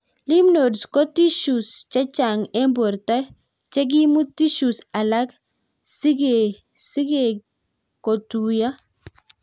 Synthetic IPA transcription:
li˦mno˨dsko˦ti˦ʃu˨st͡ʃa˦t͡ʃa˨ŋe˦mbo˨ɾta˦ | t͡ʃe˦ɡ̬i˦mu˦ti˦ʃu˨sa˨la˦k | si˦ɡe | si˦ɡe˨ | ko˨tuja˦

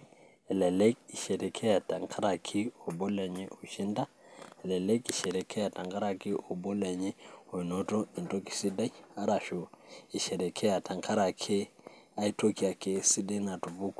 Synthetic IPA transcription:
ɛ˨lɛ˨lɛ˦ki˨ʃɛ˨ɾɛ˨kʰɛ˦a˨ta˨ŋkʰa˦ɾa˨kʰi˦ɔ˨bɔ˦lɛ˨ɲɛ˦ʔo˨ʃi˦nda˦ɛ˨lɛ˨lɛ˦ki˨ʃɛ˨ɾɛ˨kʰɛ˦a˨ta˨ŋɡa˦ɾa˨ki˦ʔɔ˨bɔ˦lɛ˨ɲɛ˦ɔ˨i˨nɔ˦tɔ˦i˨nto˦ki̥˨si˦da˦i˦a˦ɾa˨ʃo˨i˨ʃɛ˨ɾɛ˨kʰɛ˦a˨ta˨ŋkʰa˦ɾa˨kʰe˦a˦i˦to˦ki˨a˨ke˨si˦da˦na˨tu˨vu˦k

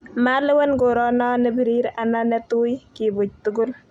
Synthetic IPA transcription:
ma˦lɛ˦wɛ˦nko˨ɾɔna˦nɛ˦bi˨ɾi˦ɾana˦nɛ˦tu˦jkibʊ˨c̚tʊ˦ɡʊ˦l

